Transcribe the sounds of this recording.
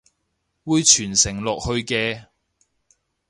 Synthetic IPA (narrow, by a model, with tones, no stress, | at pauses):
wuː˨˧jt͡ʃʰyː˨˩nsɪ˨˩ŋlɔː˨k̚hɵ˧ɥkɛː˧